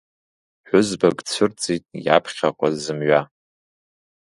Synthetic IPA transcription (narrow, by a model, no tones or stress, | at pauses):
ħʷᶣʊzbaɡʼt͡sʷʰɨrt͡sʼitʼja̰pʰχʲaqʷʼazɨmɥa